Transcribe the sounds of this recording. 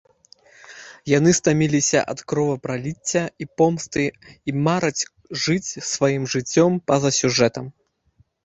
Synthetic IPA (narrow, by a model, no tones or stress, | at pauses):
jan̪ɨst̪amʲilʲisʲɐ̰ʔɐ̰t̪kɾɔvɐpɾalʲit͡sʲːɐipɔmst̪ɨimaɾɐt͡sʲ | ʐɨt͡sʲsvajimʐɨt͡sʲːɔmpɐzɐsʲuʐɛt̪ɐm